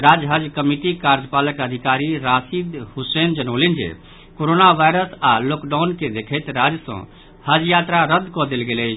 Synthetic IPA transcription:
ɾad͡ʒɦəd͡ʒkəmiʈikaɾd͡ʒpaləkəd̪ʱikaɾiɾasid̪husend͡ʒənoʊlind͡ʒḛ | koɾonaʋajɾəsalokɖaʊnked̪ekʰɛt̪ɾad͡ʒsə̰̃ | həd͡ʒjat̪ɾaɾəd̪ʱkɔd̪elɡelɛt͡ʃ

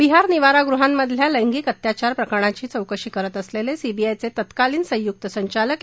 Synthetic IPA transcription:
biɦaɾniʋaɾaɡɾuɦamːəd̪ʱljaləjŋɡiːkət̪jat͡ɕaɾpɾəkəɽ̃at͡ɕiːt͡səwkəɕiːkəɾət̪əslelesibiajt͡set̪ət̪kaliːnsə̃j̃juk̚t̪əsəɲt͡ɕalək

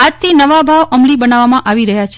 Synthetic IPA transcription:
at̪ʰːinəʋabʱaʋʔəmlibənaʋamãʔaʋiɾəɦjat͡ʃʰe

